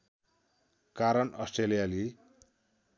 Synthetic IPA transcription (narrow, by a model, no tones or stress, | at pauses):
kaɾʌnʌsʈrelijali